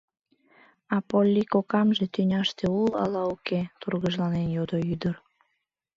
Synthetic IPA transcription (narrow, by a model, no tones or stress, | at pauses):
ɑpolʲːikokɑmʒe̽t̪ynʲɑʃt̪eulɑ̰lɑuket̪urɣəʒlɑnenjod̪oyd̪ər